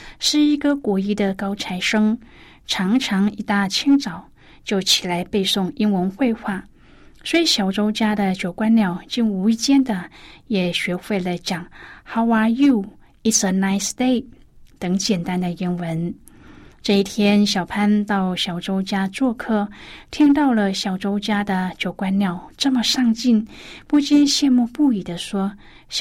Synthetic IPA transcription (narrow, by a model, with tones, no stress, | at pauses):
ʂɻ̩˥˩i˧˥ɡə˧kwɔ˧˥i˥d̪ə˨kɑ˥ʊt͡sʰa˧˥ɪʂɤ˥ŋ | ʈ͡ʂʰɑ˧˥ŋʈ͡ʂʰɑ˧˥ŋi˧˥t̪a˥˩t͡ɕʰi˥ŋʈ͡ʂɑ˨˩ʊ | t͡ɕjo˥˩ʊt͡ɕʰi˨˩la˧˥ɪpe˥˧ɪsʊ˥˩ŋi˥ŋwə˧˥nxwe˥˧ɪxwa˥˩ | swɔ˧˥i˧˥ɕjɑ˨˩ʊʈ͡ʂo˥ʊt͡ɕja˥d̪ə˨t͡ɕjo˨˩ʊkwa˥nljɑ˥˩ʊt͡ɕi˥˧ŋu˧˥i˥˩t͡ɕjɛ˥nd̪ə˨jɛ˨˩ɕɥɛ˧˥xwe˥˧ɪlə˧˩ɪt͡ɕjɑ˨˩ŋxa˥wa˥ju˥˩ | i˥˩sə˧˩na˥ɪst̪e˥˩ɪ | t̪ɤ˧˥ŋt͡ɕjɛ˨˩nt̪a˥nd̪ə˨i˥nwə˧˥n | ʈ͡ʂɤ˥˧i˥˩t̪ʰjɛ˥nɕjɑ˨˩ʊpʰa˥nt̪ɑ˥˩ʊɕjɑ˨˩ʊʈ͡ʂo˥ʊt͡ɕja˥t͡swɔ˥˧kʰɤ˥t̪ʰi˥ŋt̪̬ɑ˥˩ʊlə˨ɕjɑ˨˩ʊʈ͡ʂo˥ʊt͡ɕja˥d̪ə˨t͡ɕjo˨˧˩ʊkwa˥nljɑ˥˩ʊʈ͡ʂɤ˥˩mə˩ʂɑ˥˧ŋt͡ɕi˥˩npu˥˧t͡ɕi˥˧nɕjɛ˥˧nmu˥˧pu˥˩i˨˩d̪ə˦ʂwɔ˥